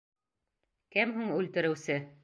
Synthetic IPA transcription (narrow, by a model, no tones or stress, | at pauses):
kɘmɦuɴʉlt̪ɘ̆ɾɘ̆wsɘ